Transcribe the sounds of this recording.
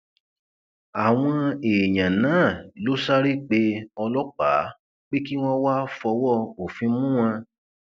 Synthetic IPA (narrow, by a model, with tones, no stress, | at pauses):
a˨w̃ɔ̃˧e˨ɲã˨nãː˨˦˨lo˦sa˦ɾe˦k͡pe˧ɔ˧lɔ˦k͡pa̰˨˦ | k͡pe˦ki˦w̃ɔ̃˦wa˦fɔ˧wɔ˦˨o˨fĩ˧mũ˦wã˧